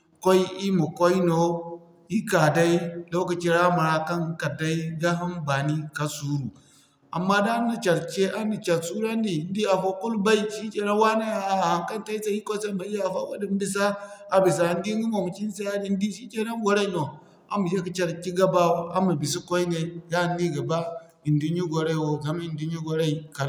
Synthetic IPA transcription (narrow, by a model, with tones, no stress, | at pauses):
ko˦i˦i˦mu˨ko˦i˦no˨ | i˦ka˨da˦i˦lo˦ka˨t͡ʃi˦ɾa˦ma˨ɾa˦ka˦n˦ka˨da˦i˦ɡa˦ɦu˦nba˨ni˦ka˦su˦ɾu˨ | a̰˨mːa˦da˦n˦i˨t͡ʃa˨ɾt͡ʃe˦ʔa˦ni˨t͡ʃa˨ɾsu˦ɾa˦n˦di˨n˦di˦a˨fo˦ku˦lba˦i˦ʃi˦t͡ʃe˨na˦wa˦na˦a˨a˨ha˨ŋka˦n˦ta˦i˦sa˦i˦ko˦sa˦ma˨ji˦a˨fa̰˦wa˦di˦m˦bi˦s̬a˦ | a˨bi˨s̬a˨i˨n˦di˦ɡi˦mo˨mu˨ki˦n˦sa˦ja˦di˨n˦di˦ʃi˦t͡ʃe˨na˦ɡo˨ɾa˦no˨ | a̰˦mu˨je˦ki˨t͡ʃa˨ɾki˦ɡa˦ba˦wo˦a˦mu˨bi˨s̬i˦ko˦i˦ne˨ja˦˨nːi˦ɡa˨ba˦ | i˨ndu˦ɲi˦ɡo˨ɾa˦i˨wo˨za˨m˦i˨ndi˦ɲi˦ɡo˨ɾa˦i˨ka˨